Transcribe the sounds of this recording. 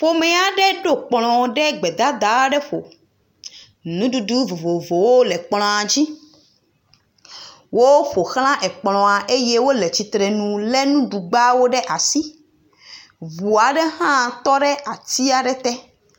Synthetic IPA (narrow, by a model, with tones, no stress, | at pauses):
fo˦mɛ̃˦a˨ɖɛ˦ɖo˦k͡plɔ̃˨ɖɛ˦ɡ͡bɛ˨d̪a˦d̪a˨wɖɛ˦ɸo˨ | nũ˦ɖu˨du˦vo˨vo˨vo˨wo˦lɛ˨k͡pl̃ɔ̃˨a˨d͡ʑi˦ | wo˦wɸo˨xl̃ã˦ʔɛ˨k͡plɔ̃˨a˨ʔe˦je˦wo˦le˨t͡ɕi˨t̪ɾɛ˨nũ˨lɛ˦nũ˦ɖu˨ɡ͡ba˦wo˦ɖɛ˦ʔa˨si˦ | vu˨a˨ɖɛ˦ɦã˦˨t̪ɔ˦ɖɛ˦ʔa˨t̪i˦a˨ɖɛ˦t̪ɛ˦